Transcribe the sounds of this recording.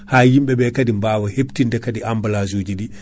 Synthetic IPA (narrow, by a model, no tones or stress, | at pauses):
hajimɓɛɓɛkadimbaːwaheptindɛkadiʔambalazuːd͡ʒiɗi